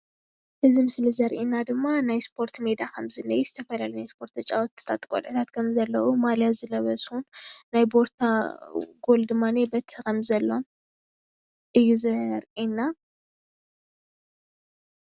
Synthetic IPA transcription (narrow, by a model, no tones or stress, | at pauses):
ʔɨzimɨslizɐɾʔinad̪ɨmːanajspʰo̞ɾt̪med̪akʰɐmzɨnɐjɛzɨt̪ʰɐfɐlalinajspʰo̞ɾt̪ɐt͡ʃʼawɔt̪ːɨ̥t̪ʰat̪ʼkʼo̰lʕʔɨt̪ʰat̪kʰɐmzɐlːɐʔumaljazɨlɐβɐsunnajbo̞ɾt̪ʰaɡo̞ld̪ɨmːanebɐt̪ʰkʰɐmzɐlːo̞n | ʔɨjːuzɐɾʔinːa